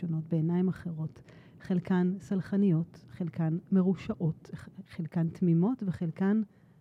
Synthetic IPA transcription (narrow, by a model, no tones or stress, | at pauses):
ono̞tbeenaimaχeʁo̞t | χelkansalχanijo̞tχelkanme̞ʁuʃaʔotχelkantmimo̞tveχelkan